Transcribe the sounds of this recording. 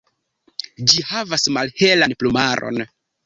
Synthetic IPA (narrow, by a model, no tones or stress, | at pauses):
d͡ʒihavasmalhe̞lanplumaɾo̞̰n